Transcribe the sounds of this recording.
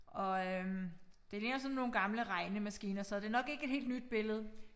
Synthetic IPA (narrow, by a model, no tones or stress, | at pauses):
ɒ̽ød̥e̝le̝ŋɐsɒ̽nːo̝ːn̩ɡ̥ɑ̈mləʁɑ̈ɪnəmæsɡ̥ḭːnɐsɒ̽æd̥e̝ænɒ̽ɡ̥e̝ɡ̥əe̝d̥he̝̰ːld̥nyd̥̚b̥e̝ləð̞̩ˠ